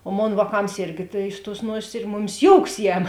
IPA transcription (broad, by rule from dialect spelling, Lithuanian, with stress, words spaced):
oː ˈmoːn ʋɑːˈkɐms ˈɪrʲɡʲɪ tɐɪ ɪʃ tuɔs ˈnuɔsʲeːs ɪr ˈmʊˌmʲɪs ˈjoːʊks ˈjɛm